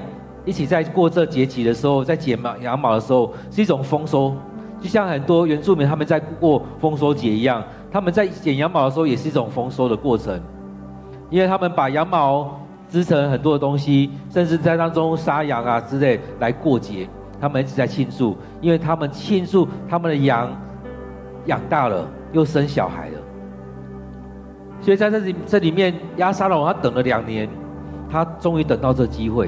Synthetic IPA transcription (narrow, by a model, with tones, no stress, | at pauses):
i˥˩t͡ɕʰi˨˩t͡sa˥˧ɪkwɔ˥˧t͡sɤ˥˧t͡ɕjɛ˧˥t͡ɕʰi˨d̪ə˨ʂɻ̩˧˦xo˥˧ʊt͡sa˥˩ɪt͡ɕjɛ˨˩m˨˩jɑ˧˦ŋmɑ˨˩ʊd̪ə˩ʂ̩˧˦xo˥˧ʊ | ʂɻ̩˥i˥˩ʈ͡ʂʊ˨˩ŋfɔ˥ŋso˥ʊt͡ɕo˥˧ʊɕja˥˩ŋhə˨˩nt̪wɔ˦˥ɥɛ˧˦nt͡su˥˩mi˨˦nt̪ʰa˥mə˨nt͡sa˥˧ɪkkwɔ˥˩fɔ˥ŋs̬ɔ˥ʊt͡ɕjɛ˨˩i˧˦ja˥˩ŋ | t̪ʰa˦˥mə˨nt͡sa˥˩ɪt͡ɕjɛ˨˩njɑ˧˦ŋmɑ˨˩ʊdə˩ʂ̬ɻ̩˧˥o˥˩jɛ˨˩ʂɻ̩˥˧i˥˩ʈ͡ʂʊ˨˩ŋfɔ˥ŋso˥ʊd̪ə˨kwɔ˥˩t͡sʰə̰˧˦ŋ | i˦nwe˥˩t̪ʰa˦mə˨npa˨˩jɑ˧˦˥ŋmɑ˨˧˦ʊ | t͡sɹ̩˦˥t͡sʰə˧˥ŋxə˨˩nt̪̬wɔ˥də˨t̪o˥ŋɕi˦ʂə˥˧nt͡sɻ̩˥˧t͡sa˥˩ɪt̪a˥ŋt͡so˦ŋsa˥ja˧˥ŋa˨t͡sɹ̩˥le˥˩ɪla˧˦ɪkwɔ˥˨t͡ɕjɛ˨˦ | t̪ʰa˥mə˨ni˥t͡ɕʰi˨˩t͡sa˥˩ɪt͡ɕʰi˥˧nsu˥˩ | i˥˦nwe˥˩ɪt̪ʰa˦mə˨nt͡ɕʰi˥˧nsu˥˩t̪ʰa˥mə˨nd̪ə˨ja˧˦ŋ | ja̰˨˩ŋt̪a˥˩lə̰˩ | jo˥˩ʊʂə˦nɕjɑ̰˨˩ʊxa̰˨˩˦ɪlə̰˦ | swɔ˥i˨t͡sa˥˧ɪt͡si˨˩t͡sɤ˥˩˨li˨˩mjɛ˥˨nja˥sa˥lɔ˨˦t̪ʰa˥t̪ə˨˩ŋlə˨lja˨˩ŋnjɛ˧˦n | t̪ʰa˦t͡sʊ˥ŋy˧˥˦t̪ə˨˩ŋt̪ɑ˥˧ʊt͡sɤ˥˩ɡə˨t͡ɕi˦xwe˥˩